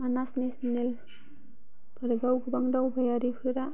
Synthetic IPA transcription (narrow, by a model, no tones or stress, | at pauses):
manasnesnel | pʰaɾɡawɡubaŋdawbajaɾipʰuɾa